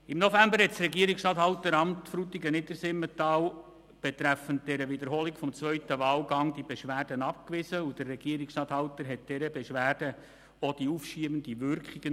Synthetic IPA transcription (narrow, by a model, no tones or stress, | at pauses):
ɪmnofæmbəɾɦɛtsɾɛɡiəɾikstɑːthɑltəɾɑmtfɾutiɡənɪdəɾsɪmːətɑːl | b̥et̪ɾæfənt̚d̥ɛɾəʋɪd̪əɾɦolikfɔmt͡sʋœʏtəʋɑːlɡɑŋdibeʃʋæːrd̥ənɑp̚kʋɪsəud̥ərːɛɡ̥iəɾikstɑthɑʊt̪əɾɦɛt̚d̥ɛɾəbeʃʋæːrd̥ə | od̥iufʃiəbəndiʋʏɾkχiɡ̥ə